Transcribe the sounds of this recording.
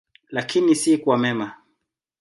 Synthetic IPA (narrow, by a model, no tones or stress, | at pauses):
lakʰinisikwamɛma